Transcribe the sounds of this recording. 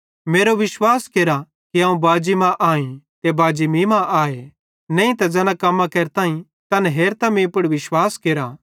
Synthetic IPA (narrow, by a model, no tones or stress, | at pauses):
meːɾoʋɪswaːskeːɾa | kiɦãːũbaːd͡ʒimãʔaːĩt̪ebaːd͡ʒimimãʔaːe | nɛ̃ĩt̪ɐd͡zɐːnãkɐmːãkeɾt̪aːĩ | t̪ɐnɦeːɾt̪amĩpʊɽʋɪʃwaːskeːɾa